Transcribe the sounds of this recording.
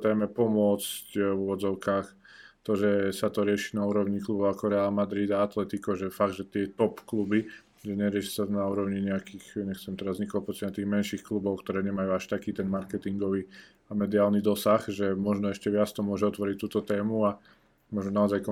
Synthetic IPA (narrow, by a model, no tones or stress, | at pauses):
t̪ɛːmɛpɔmʊɔt͡scʋuʋɔd͡zɔʊkaːx | t̪ɔʒɛsat̪ɔɾɪɛʃiːnauːɾɔʊɲiklubɔʊakɔɾɛaːlmad̪ɾid̪aat̪lɛt̪ikɔʒɛfaɡ̚d̪ʒɛt̪ɪɛt̪ɔpklubi | ʒɛɲɛɾɪɛʃi̥sanauːɾɔʊɲiɲɛakiːxɲɛxt͡sɛmt̪ɛɾazɲiklɔpɔsamat̪iːɣmɛnʃixklubɔʊkt̪ɔɾɛːɲɛmajuːaʃt̪akiːt̪ɛnmaɾkɛt̪iŋɡɔʋiː | amɛd̪iaːlnid̪ɔsaxʒɛmɔʒnɔɛʃcɛʋɪat͡st̪ɔmʊɔʒɛɔt̪ʋɔɾic̚t̪uːt̪ɔt̪ɛːmua | mɔʒɔnaɔzajkɔ